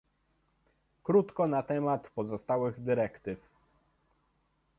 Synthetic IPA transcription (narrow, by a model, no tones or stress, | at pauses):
kɾut̪kɔnat̪ɛmat̪pɔzɔst̪awɘɣd̪ɘɾɛkt̪ɘf